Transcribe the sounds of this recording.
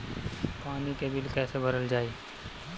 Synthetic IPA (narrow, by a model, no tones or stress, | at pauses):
paːnikebɪlkɛːsebʱəɾəld͡ʒaːe